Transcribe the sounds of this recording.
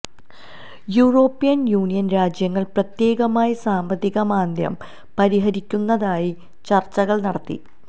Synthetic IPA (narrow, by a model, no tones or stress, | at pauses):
juːro̞ːpːijɐnjuːnijɐnɾaːd͡ʑjɐŋːɐɭprɐt̪je̞ːɣɐmaːjisaːmbɐðiɣɐmaːnd̪jɐ̰m | pɐɾiɦɐɾikʲːunːɐðaːji | t͡ɕɐrt͡ɕːɐɣɐɭnɐɽɐt̪ːḭ